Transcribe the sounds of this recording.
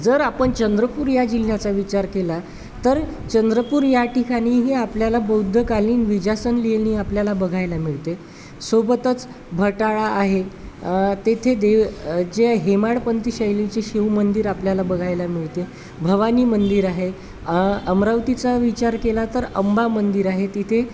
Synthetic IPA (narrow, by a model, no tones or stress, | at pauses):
d͡zəɾapəɳt͡ɕənd̪ɾəpuːɾjad͡ʑil̤ːjat͡saʋit͡ɕaɾkela | t̪əɾ | t͡ɕənd̪ɾəpuːɾjaʈikaɽ̃iːɦeapljalabəwd̪ʱːəkaliːnʋid͡ʑasənlielĩapljalabəɡʱajlamiɭt̪e | sobət̪ət͡s | bʱəʈaɭaːɦe | t̪et̪ʰed̪eʋd͡ʑeɦemaɽpənt̪iɕəjlit͡seɕiʋmənd̪iːɾapljalabəɡʱajlamiɭt̪e | bʱəʋaniːmənd̪iɾaɦe | əmɾaʋt̪it͡saʋit͡ɕaɾkelat̪əɾəmbamənd̪iɾaɦet̪it̪ʰe